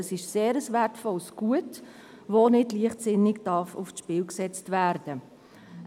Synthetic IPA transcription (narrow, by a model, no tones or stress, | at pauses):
əsɪʃseːɾəsværtfɔlsɡ̥uət | vonɪdliəχtsɪnɪkd̥ɑfʊ̰fʃpɪːlksɛt͡stvæːɾd̥ə